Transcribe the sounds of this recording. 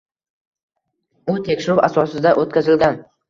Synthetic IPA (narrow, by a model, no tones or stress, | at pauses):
ʊt̪ʰe̞kʲʃɪɾʊwasɒsɪd̪aʔot̪kʲazɪlɡʲan